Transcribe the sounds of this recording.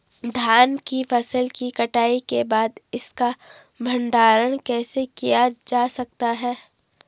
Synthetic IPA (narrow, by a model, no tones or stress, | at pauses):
d̪ʱjaːnkifʰɐsəlkikɐʈaːikebaːd̪ɪska | bʱɐ̃ɳɖaːɾəɽ̃kɛːsekijad͡ʒaːsɐk̚t̪aɦɛː